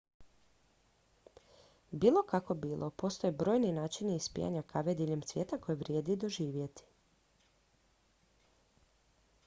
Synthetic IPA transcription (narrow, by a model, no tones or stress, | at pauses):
biːlˠo̞kako̞biːlˠʔo̞po̞st̪o̞jebɾo̞ːjninaːt͡ʃiniispḭja̰ɲakʰaʋed̪iʎemtsʋʲje̞ːt̪ako̞jeʋɾʲjed̪id̪o̞ʒiːʋje̞t̪i̥